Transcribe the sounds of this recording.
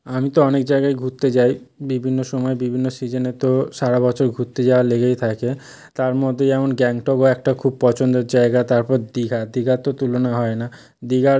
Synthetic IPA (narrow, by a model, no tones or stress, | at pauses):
amit̪oɔnekd͡ʑaeɡajɡʱut̪ːet͡ɕajbibʱinːoʃɔmɔebibʱinːosid͡ʑenet̪oʃaɾabɔt͡ɕʰoɾɡʱut̪ːed͡ʑaaleɡejt̪ʰake | t̪aɾmɔd̪ʱːed͡ʑɛmonɡɛŋʈɔkoɛk̚ʈakʰub̚pɔt͡ɕond̪eɾd͡ʑaeɡat̪aɾpɔɾd̪iɡʱad̪iɡʱat̪ot̪ulonaɦɔena | d̪iɡʱa